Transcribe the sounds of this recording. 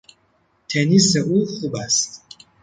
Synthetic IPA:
t̪ʰeniseʔuxubæst̪

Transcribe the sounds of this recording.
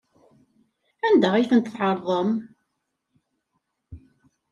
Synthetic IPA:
ænd̪æʁiθənt̪θħɑɾˤðˤəm

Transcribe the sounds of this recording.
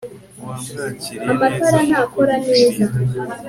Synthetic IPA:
amataɾan̥hakoɾaneːza

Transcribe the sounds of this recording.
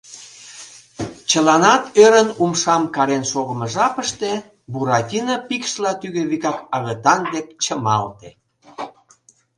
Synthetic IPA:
t͡ɕəlɑnɑt̪øɾənumʃɑmkɑɾenʃoɣəmə̆ʒɑpəʃt̪e̽ | buɾɑtʲinəpikʃlɑt̪yɣeβikɑkɑɣət̪ɑnd̪ep̚t͡ɕəmɑ̰lt̪e

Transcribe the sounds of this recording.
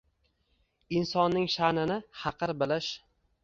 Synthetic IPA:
ɪnsɒnːɪŋʃanɪnɪhɑqʰɨɾbɪlɪʃ

